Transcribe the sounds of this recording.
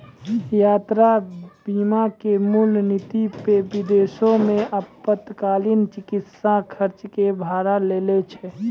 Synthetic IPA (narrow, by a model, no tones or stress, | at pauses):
jaːt̪ɾabiːmakemulnit̪ipebɪd̪eːsõmẽʔəpːət̪kaːlint͡ʃɪkɪt̪sãkʰəɾt͡ʃkebʱaːɾaleːlet͡ʃʰɛ